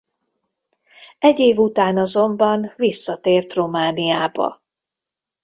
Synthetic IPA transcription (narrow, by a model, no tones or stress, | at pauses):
ɛɟːeːvut̪aːnɒzo̞mbɒnvisːɒt̪eːrt̪ro̞maːnijaːbɒ̰